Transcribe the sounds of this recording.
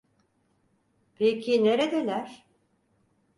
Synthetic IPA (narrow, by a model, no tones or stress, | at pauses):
pʰecʰine̞ɾed̪elʲæɾ̥